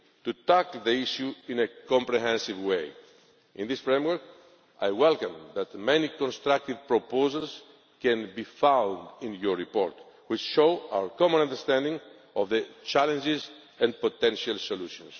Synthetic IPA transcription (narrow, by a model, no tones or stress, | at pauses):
t̪ut̪akld̪iiʃuĩnekɔ̃mpɾeɦɛ̃nsivwej | ʔĩnðisfɹẽmwə˞k | ajwɛlkãmðat̪mɛnikõnst̪ɾak̚t̪ivpɾopozals | kɛ̃nbifãw̃nd̪ĩnjɔɹɹipoɾt̪ | wit͡ʃʃoa̰wəɹkɔmɔ̃nãnd̪əɹst̪æ̃ndĩŋ | ɔvðət͡ʃalẽnd͡ʒɪz | ãnpot̪ɛ̃nʃalsoluʃɔ̃ns